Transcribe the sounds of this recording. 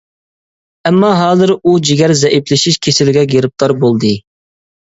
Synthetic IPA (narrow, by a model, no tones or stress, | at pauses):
ɛmːɑɦɑːzɨɾud͡ʒiɡʲæɾzɛʔiplɪʃiʃkʲʰesɪlɪɡʲɛɡʲeɾɨp̚t̪ɑɾbolˠd̪ɨ